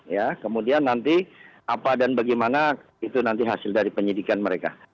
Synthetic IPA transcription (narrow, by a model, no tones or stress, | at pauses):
jakəmudianːant̪iʔapadanbaɡɛmana | it̪unant̪iɦasɪldaɾipəɲidikanməɾeka̰